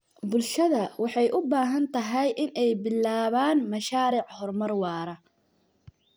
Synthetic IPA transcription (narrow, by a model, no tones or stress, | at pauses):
bʊlʃɐðɐwɑħɑjʔʊbaːɦɐnt̪ʰɐɦɛjʔɪnɛjbɪlːaːβaːnmɐʃaːɾɪʕhɔrmɐrwɑːɾɐ